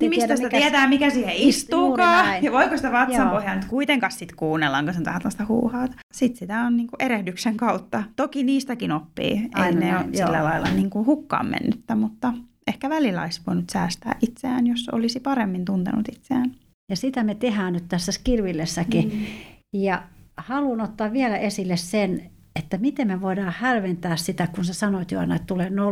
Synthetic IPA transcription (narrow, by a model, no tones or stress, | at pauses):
nmist̪æsit̪æt̪iɛt̪æːmikæsiːheist̪uːkɑːjɑʋoikosit̪æʋɑtsɑmpohjɑnyt̪kuit̪eŋkɑssit̪kuːnːelːɑŋkɑsent̪ʋæ̰hnt̪ɑst̪æhṵːhɑːt̪ | sit̪sit̪æonniːŋkuʔeɾehdykseŋkɑut̪ːɑt̪okiniːst̪ækinopːḭːʔeineosilːælɑilːɑ̰niːŋkuhukːɑ̰ːmmḛnːyt̪ːæmut̪ːɑʔehkæʋælilːɑ̰isʋoinut̪sæːst̪æ̰ːʔit̪seæːnjoso̰lisipɑremːint̪unt̪ḛnṵt̪it̪seæːn | jɑsit̪æmet̪ehæːnnyt̪t̪æsːæskirʋilːesːæki | jɑhɑluːnot̪ːɑːʋʋielæʔesilːessen | et̪ːæmit̪emmeʋoidɑːhælʋent̪æːssit̪ækunsesɑnoit̪juɑ̰nːɑet̪t̪ulenno